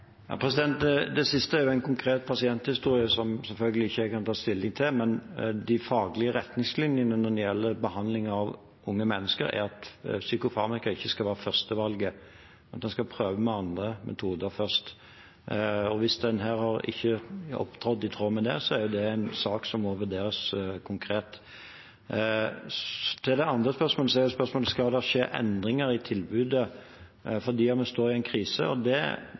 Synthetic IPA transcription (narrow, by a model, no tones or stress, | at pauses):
jɑ̰pʰɾɛsɪd̪ɛnt̪d̪ɛsɪst̪əæɾjʊæɪnkʊŋkʰɾeːt̪pʰɑsɪɛnt̪hɪst̪uːɾɪəsɔmsɛlfœlɡəlɪɪçːəkɑnt̪ʰɑːst̪ɪlːɪŋt̪ʰɪlmɛnd̪ɪfɑːɡlɪəɾɛt̪nɪŋslɪnjənənɔnjɛlːəbəɦɑnd̪lɪŋɑʋ | ʊŋːəmɛnːəskə̰ɾæ̰ɾɑt̪sykʊfɑːmɪkɑɪçːəskɑlʋæːɾəfœʁst̪əʋɑlɡə | nɑt̪d̪ɛnskɑpʰɾøːʋəmɛɑnd̪ɾəmʔɛ̰t̪ʰuːd̪əɾfœʁst̪ | ɔʋɪsd̪ɛnɦæːɾhɑɾɪ̰çːəɔ̰pt̪ʰɔd̪ɪt̪ʰɾoːmɛd̪ɛ̰sɔæɾjʊd̪ɛæɪnsɑːksɔmːɔʋʉɾd̪eːɾəskʰʊŋkʰɾeːt̪ | t̪ʰɪld̪ɛɑnd̪ʁəspœɾsmoːləsɔɛɾjʊʊspœɾsmoːləskɑld̪ɛʂeːʔɛ̰nd̪ɾɪŋəɾɪt̪ʰɪlbʉːd̪ə | fɔd̪iːɑt̪mɛst̪oːɾɪæɪnkʰɾiːsə̰ɔd̪ɛ